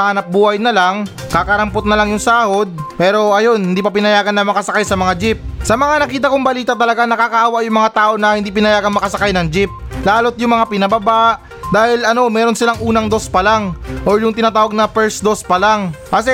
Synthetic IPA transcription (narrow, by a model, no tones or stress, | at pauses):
hanɐp̚buːhɐjnɐlaŋ | kakɐɾɐmpot̪̚nɐlaŋjʊŋsaːho̞d̪̚pɛːɾo̞ʔɐjo̞nhɪnd̪iːpɐpɪnɐjaːɡɐnːɐmɐkɐsɐkajsɐmɐŋad͡ʒɪp̚sɐmɐŋanɐkiːt̪̬ɐkʊŋbɐliːt̪ɐt̪ɐlɐɡanɐkakaːhwaʔjʊŋmɐŋat̪aːʔo̞nɐhɪnd̪iːpɪnɐjaːɡɐŋmɐkɐsɐkajnɐŋd͡ʒɪp̚laːlo̞t̪̚jʊŋmɐŋapɪnɐbɐba | d̪aːhɪlʔɐno̞mɛːɾo̞nsɪlaŋʔuːnɐŋd̪o̞spɐlaŋʔoɹjʊŋt̪ɪnaːt̪aːwɐɡ̚nɐpɛɹsd̪o̞spɐlaŋʔɐs̬ɛ